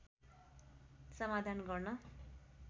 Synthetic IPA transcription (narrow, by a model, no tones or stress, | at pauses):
sʌmad̪ʱanɡʌrnʌ